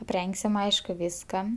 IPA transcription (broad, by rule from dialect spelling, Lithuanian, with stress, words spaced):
ɐpʲˈrʲɛŋksʲɪm ˈɐɪʃkʊ ˈʋʲɪskɐ